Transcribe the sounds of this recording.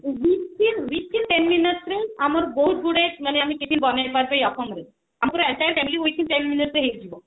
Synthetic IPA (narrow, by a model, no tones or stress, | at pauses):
biinbikːinʈenminɔʈɾejamaɾboɦut̪̚ɡuɽemaneamikit̪ʰinbɔnepaɾpajɔkɔŋɡɾes | amaɾɛɳʈajeɾfɛmiliojk̪ʰintenmineʈɾeɦejt̪ʰibo